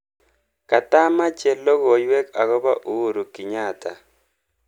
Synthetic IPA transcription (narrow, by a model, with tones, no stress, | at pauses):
ka˨ta˦ma˦t͡ʃɛ˨lːɔ˦ɣɔ˨jwɛ˦ka˨ɣɔ˦ba˦ʔu˦ɾu˨ki˨ɲa˦˨ta˨